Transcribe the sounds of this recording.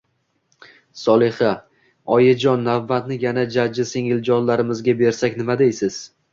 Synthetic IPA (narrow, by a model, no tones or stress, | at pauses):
sɒlˠeha | ɒjad͡ʒɒnːavːat̪nɪjanad͡ʒad͡ʒɪseŋɪld͡ʒɒnlaɾɪmɪzɡʲabe̞ɾsakʲnɪmad̪ejsɪz̥